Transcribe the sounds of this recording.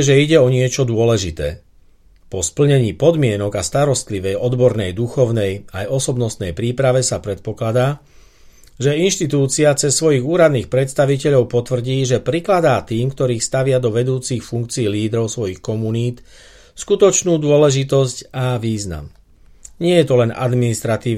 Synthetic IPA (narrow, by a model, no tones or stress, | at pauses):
ʒɛiɟɛɔɲɪɛt͡ʃɔd̪ʊɔlɛʒit̪ɛ̰ː | pɔspl̩ɲɛɲiːpɔd̪mɪɛnɔɡast̪aɾɔst̪liʋɛjɔd̪bɔɾnɛjd̪uxɔʊnɛjajɔsɔbnɔst̪nɛjpɾiːpɾaʋɛsapɾɛt̪̚pɔklad̪aː | ʒɛinʃt̪it̪uːt͡siat͡sɛsːʋɔjiɣuːɾad̪niːxpɾɛt̪st̪aʋicɛʎɔʊpɔt̪ʋr̩ɟiːʒɛpɾiklad̪aːt̪iːmkt̪ɔɾiːxst̪aʋɪad̪ɔʋɛd̪uːt͡sixfuŋk̚t͡siːliːd̪ɾɔʊsʋɔjixkɔmuniːt̪ | skut̪ɔt͡ʃnuːd̪ʊɔlɛʒit̪ɔscaʋiːzna̰m | ɲɪɛjɛt̪ɔlɛna̰d̪minist̪ɾat̪iː